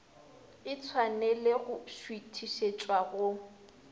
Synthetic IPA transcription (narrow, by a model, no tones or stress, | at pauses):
ɪt͡sʰwanɛlɪɣʊʃwitʰiʃet͡ʃʼwaɣʊ